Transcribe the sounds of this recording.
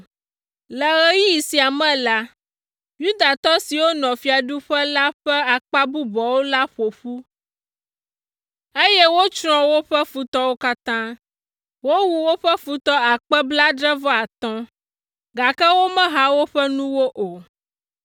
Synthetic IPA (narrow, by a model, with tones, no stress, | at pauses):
lɛ˨ɣɛ˦ji˦ji˨si˨a˨mɛ̃˦la˦ | ju˦d̪a˨t̪ɔ˦si˨wo˦nɔ̃˨fi˦a˨ɖu˦ɸɛ˦la˦ɸɛ˦a˨k͡pa˦bu˦bɔ˨wo˦la˦ɸo˨ɸu˦ | e˦je˦wo˦t͡ʃɾɔ̃˦wo˦ɸɛ˦fu˦t̪ɔ˦wo˦ka˦t̪ã˦ | wo˦wu˦wo˦ɸɛ˦fu˦t̪ɔ˦a˨k͡pɛ˦bla˦ɖɾɛ˦vɔ˦a˨t̪ɔ̃˦ | ɡa˨kɛ˦wo˦mɛ̃˦ɦa˦wo˦ɸɛ˦nũ˦wo˦ʔo˨